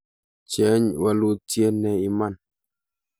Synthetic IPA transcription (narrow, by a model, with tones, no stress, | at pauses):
t͡ʃɛ˨˦ɲwa˨lu˦tjɛ˦nɛ˨i˨ma˦˨n